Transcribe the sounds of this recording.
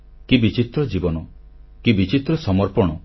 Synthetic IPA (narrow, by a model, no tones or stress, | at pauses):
kibit͡ʃit̪ɾɔd͡ʒibɔnɔ | kibit͡ʃit̪ɾɔsɔmɔɾpɔɽ̃ɔ